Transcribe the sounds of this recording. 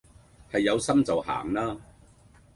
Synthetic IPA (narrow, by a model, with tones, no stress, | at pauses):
hɐ˨jːɐ˨˧wsɐ˥mt͡sɐ˨wha̰ː˨˩ŋlaː˥